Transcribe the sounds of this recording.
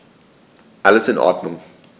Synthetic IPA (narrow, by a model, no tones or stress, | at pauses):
ʔaləsɪnʔɔ̰ɐdnʊŋ